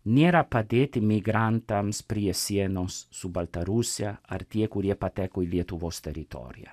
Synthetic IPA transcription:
neɾapad̪et̪imiɡɾant̪amspɾiesjɛnosːubalt̪aɾusjaa̰ɾt̪iekuɾjepat̪ɛkujljet̪uvost̪eɾit̪ɔ̰ɾja̰

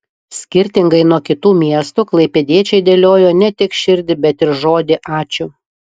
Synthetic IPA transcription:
sʲkʲɪɾʲt̪ʲɪŋɡɐɪnuɔkʲɪt̪uːmʲiɛst̪uklˠɐɪpʲɛd̪ʲiɛt͡ʃʲɛɪd̪ʲeːlʲoːjoːnʲɛt̪ʲɪkʃʲɪɾʲd̪ʲɪbʲɛt̪ɪɾʒoːd̪ʲɪʔɑːt͡ʃʲʊ

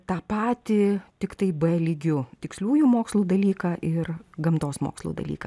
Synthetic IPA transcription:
t̪ɑːpɑːt̪ʲɪt̪ʲɪkt̪ɐɪbɛːlʲɪɡʲʊt̪ʲɪksʲlʲuːjuːmoːkslˠuːd̪ɐlʲiːkɑːʔɪrɡɐmt̪oːsmo̰ːkslˠṵd̪ɐ̰lʲḭːkɐ

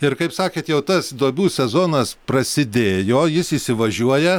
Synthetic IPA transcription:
ɪrkɐɪpsɑːkʲeːt̪jɛʊt̪ɐsd̪oːbʲuːsʲɛzoːnɐspɾɐsʲɪd̪ʲeːjoːjɪsiːsʲɪʋɐʒʲuɔjɛ

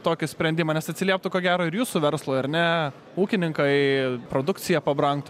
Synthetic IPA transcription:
t̪oːkʲɪsʲpʲɾʲɛnʲd̪ʲɪmɐːnʲɛsɐt̪ʲsʲɪlʲiɛp̚t̪ʊkoːɡʲæːɾoːɪɾjuːsʊʋʲɛɾslˠoːɐɾnʲɛ | uːkʲɪnʲɪŋkɐɪpɾoːd̪ʊkt̪sʲɪjɛpɐbɾɐŋkt̪ʊ

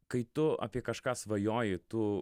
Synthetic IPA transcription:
kɐɪt̪ʊɐ̰pʲiɛkɐʃkɑːsʋɐjoːjɪt̪ʊ

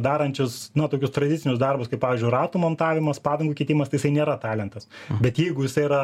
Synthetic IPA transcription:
d̪ɑːɾɐnʲt͡ʃʲʊsnɐt̪oːkʲʊst̪ɾɐd̪ʲɪtt͡sʲɪnʲʊsd̪ɐrbʊskɐɪpɑːʋʲiːzʲd͡ʒʲʊɪrɑːt̪uːmont̪ɑːʋʲɪmɐspɑːd̪ʲɐŋɡuːkʲeːt̪ʲiːmɐst̪ɐɪjɪsɐɪnʲeːɾɐt̪ɑːlʲɛnt̪ɐsbʲɛt̪jɛɪɡʊjɪsɐɪɾɐ

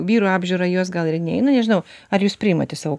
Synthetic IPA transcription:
ʋʲiːɾuːɑːbʲʒʲʊːɾɐjuɔsɡɐlˠɪrnʲɛɛ̰ɪnɐnʲɛʒʲɪnɐʊɐɾjuːspʲɾʲɪɪmɐ̰t̪ʲɛsɑːʋoː

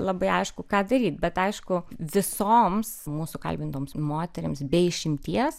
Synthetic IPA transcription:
lˠɐbɐɪɐɪʃkʊkɑːd̪ɐɾʲiːt̪̚bʲɛt̪ɐɪʃkʊʋʲɪsoːmsmuːsʊkɐ̰lʲbʲɪnt̪oːmsmoːt̪ʲɛɾʲɪmsbʲɛɪɪʃʲɪmʲt̪ʲiɛs

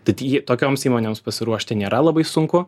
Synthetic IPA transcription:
t̪ɐɪt̪ʲjiɛt̪oːkʲoːmsiːmoːnʲeːmspɐsʲɪɾuɔʃʲt̪ʲɪnʲeːɾɐlˠɐbɐɪsʊŋkʊ

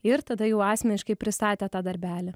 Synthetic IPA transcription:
ɪɾt̪ɐd̪ɐjɛʊɑːsʲmʲɛnʲɪʃkɐɪpʲɾʲɪst̪ɑːt̪ʲɛːt̪ɑːd̪ɐɾʲbʲæːlʲɛ

